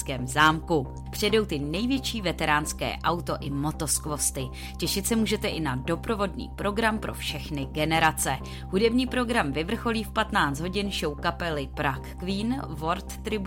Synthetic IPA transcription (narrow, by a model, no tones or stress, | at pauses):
kɛːmzaːmku | pr̥ɛdo̞wt̪ɪnɛjvjɛt͡ʃiːvɛt̪ɛɾaːnskɛ̰ːʔawt̪o̞ʔɪmo̞t̪o̞skvo̞st̪ɪ | cɛʃɪt̪sɛmuːʒɛt̪ɛʔɪnado̞pɾo̞vo̞dɲḭːpɾo̞ɡɾampɾo̞̰fʃɛxnɪɡɛnɛɾat͡sɛ | ɦudɛbɲiːpɾo̞ɡɾamvɪvr̩xo̞liːfpat̪naːt͡st̪ɦo̞ɟɪnʃo̞wkapɛlɪpɾakːviːnvo̞ɾt̪ːɾɪb